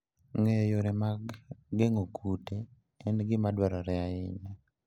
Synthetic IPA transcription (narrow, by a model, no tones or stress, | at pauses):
ŋejoɾɛmaɡɡeŋokʰute | ɛnɡɪmadwaɾɔɾɛaɪɲa